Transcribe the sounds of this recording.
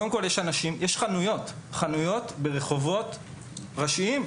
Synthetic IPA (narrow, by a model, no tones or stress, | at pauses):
odemko̞ljeʃanaʃimjeʃχanujo̞tχanujo̞t̪be̞ʁe̞χo̞vo̞t̪ | ʁaʃiim